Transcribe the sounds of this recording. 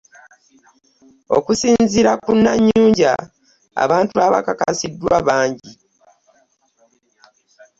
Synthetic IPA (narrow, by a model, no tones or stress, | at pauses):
o̞̰kusiːɲziɾakunːaɲːuːɲɟa | a̰βaːntuaβa̰kakasidːwaβaːɲɟi